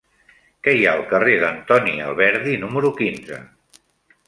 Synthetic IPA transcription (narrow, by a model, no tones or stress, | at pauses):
kɛjaəlˠkəreðənt̪ɔniə̰lˠβɛɾðinuməɾukinzə̰